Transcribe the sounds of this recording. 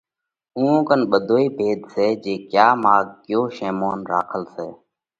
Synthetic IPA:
ũːõːkənɓəd̪ʱoːiːbʱeːd̪seːd͡ʒeːkjaːmaːɡ̚kɪjoːʃeːmoːnɾa̰ːkʰəlseː

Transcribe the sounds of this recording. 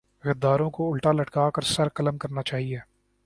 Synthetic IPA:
ɣɐd̪ːaːɾõkoʊlʈalɐʈkaːkɐɾsɐɾkɐləmkɐɾnat͡ʃaːɦieː

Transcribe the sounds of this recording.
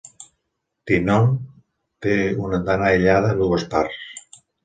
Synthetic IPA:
t̪inon | t̪eunəd̪anaeʎaðəluɣəspars

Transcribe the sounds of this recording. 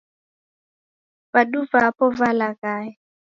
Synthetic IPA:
baduvapʼɔvalakʼaːɪ

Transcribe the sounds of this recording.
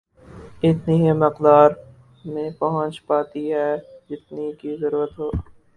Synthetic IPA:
ɪt̪nimɪqd̪aːɾ | mẽːpɐɦə̃t͡ʃpaːt̪iɦɛːd͡ʒɪt̪̚nikizɐɾuːɾət̪ɦoː

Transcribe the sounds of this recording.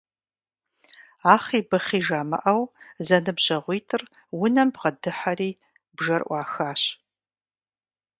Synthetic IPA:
aːχiːbɨχiːʒaːmɐ̰ʔɐwzɐnɨbʑɐʁʷiːtʰɨr | wʊnɐmbʁɐdɨħaɾiː | bʒɐrʔʷɑːxaːɕ

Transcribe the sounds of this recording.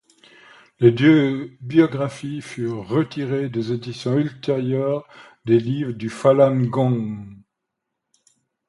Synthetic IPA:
led̪øbjɔɡʁafifyʁːət̪iʁed̪ezed̪isjɔ̃ylt̪eʁjœːʁ | d̪elivʁəd̪yfalanɡɔ̃

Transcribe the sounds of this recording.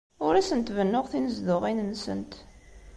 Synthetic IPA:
ʊɾæsənt̪vənːʊʁθinəzðʊʁinnːsə̰nt̪

